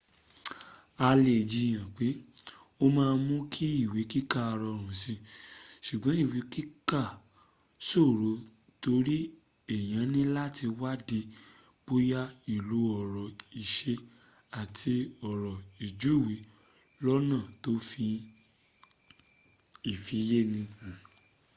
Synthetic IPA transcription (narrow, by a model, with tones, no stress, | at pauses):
a˧le˨d͡ʒi˧j̃ã˨k͡pe˨˦ | o˦mãː˦˧mũ˦kʰi˦i˦˨wi˨˦ki˦ka˦˨a˧ɾɔ˧ɾ̃ũ˨si˧ʃu˨ɡ͡bã˨˦i˦˨wi˨˦ki˦ka˦˨ | so˦˨ɾo˨˦ | to˧˦ɾi˦ | ɛ˦˨j̃ã˨˦nĩ˦la˦ti˧wa˦di˧ | k͡po˦ja˦i˨lu˨˦ɔ˨ɾɔ˨i˨ʃe˧ | a˨tʰi˧ɔ˨ɾɔ˨i˨d͡ʒu˨˦˨wi˨˦ | lɔ˦nãː˦˨to˦fĩ˧ | i˦˨fi˨je˦nĩ˧˨